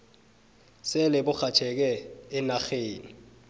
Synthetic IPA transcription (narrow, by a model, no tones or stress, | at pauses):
sɛlɪbʊk͡xʰat͡ʃʰɛk̬ɛːnaxeːni